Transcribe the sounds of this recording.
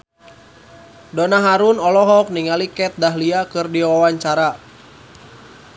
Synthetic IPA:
dɔnaɦaɾunɔlɔɦɔk̚niŋalikɛt̪̚daɦliakɨrdiwwawaɲt͡ʃaɾa

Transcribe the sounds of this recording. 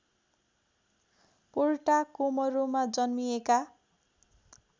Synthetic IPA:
porʈakomʌɾomad͡zʌnmijeka

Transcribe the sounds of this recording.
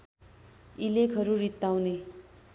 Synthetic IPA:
ilekʰɦʌɾurit̪ːawne

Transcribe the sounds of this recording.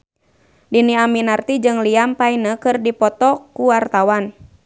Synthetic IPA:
diniaminart̪id͡ʒɨŋliampainəkɨrdipɔt̪ɔkuwart̪awan

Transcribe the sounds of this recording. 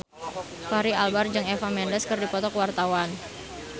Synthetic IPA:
faɾialbard͡ʒɨŋefamɛndəskɨrdipɔt̪ɔkwart̪awan

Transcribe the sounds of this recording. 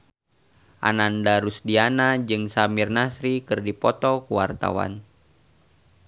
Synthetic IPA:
ʔa̰nandaɾusdianad͡ʒɨŋsamirnasɾikɨrdipɔt̪ɔkuwart̪a̰wa̰n

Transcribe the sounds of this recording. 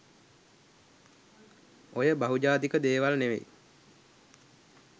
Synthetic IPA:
ojəbaɦud͡ʒaːt̪ikəd̪eːʋalneʋḛ

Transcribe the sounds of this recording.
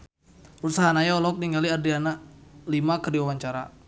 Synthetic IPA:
usaɦanajaɔlɔɔk̚niŋɡaliadianalimakərdiwawaɲt͡ʃaɾa

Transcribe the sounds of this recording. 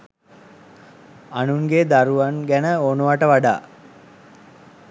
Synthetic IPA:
anuŋɡed̪aɾuʋanɡænəonuʋaʈəʋaɖa̰ː

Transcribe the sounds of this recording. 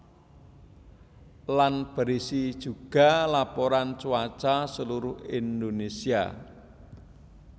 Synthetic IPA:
lanb̥ə̤ɾisid̥ʒ̥ṳɡ̥a̤lapoɾant͡ʃuwḁt͡ʃasəluɾʊhind̪onesia̰

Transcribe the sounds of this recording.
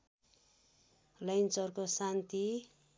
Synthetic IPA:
lʌjnt͡sʌrkosant̪i

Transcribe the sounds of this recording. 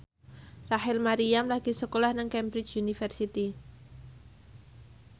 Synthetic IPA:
raɦɪlmaɾiamlaɡ̥isəkolahnaŋkɛmbɾɪt͡ʃunifɛrsit̪i

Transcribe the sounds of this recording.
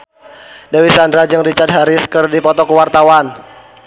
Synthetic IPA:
dawisandɾad͡ʒɨŋdit͡ʃad̪̚ɦaɾɪskɨrdipɔt̪ɔkəwart̪awan

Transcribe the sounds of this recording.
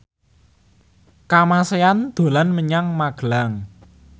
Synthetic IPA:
kamaseand̪̥o̤lanməɲaŋmaɡ̥əlaŋ

